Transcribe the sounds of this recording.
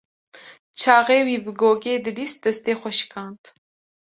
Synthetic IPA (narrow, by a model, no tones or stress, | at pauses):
t͡ʃʰɑːɣeːwiːbɨɡoːɡeːd̪ɨlist̪̚d̪ɐst̪eːxʷɔʃkʰɑːnt̪